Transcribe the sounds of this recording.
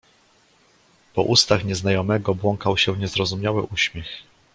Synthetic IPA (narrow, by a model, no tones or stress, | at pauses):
pɔ̰ʔust̪axɲɛznajɔmɛɡɔbwɔŋkawɕɛvɲɛzɾɔzumʲɲawɘ̰ʔuɕmʲjɛx